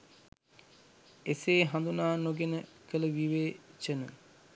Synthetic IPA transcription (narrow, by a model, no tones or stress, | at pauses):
eseːɦand̪unaːnoɡenəkələʋiʋeːt͡ʃənə̰